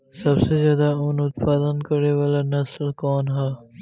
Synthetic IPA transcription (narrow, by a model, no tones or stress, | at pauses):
sɐbsezjɑːd̪aʊnʊt̪faːzənd̪̚kɐɽewalanɐslkɑːnɦa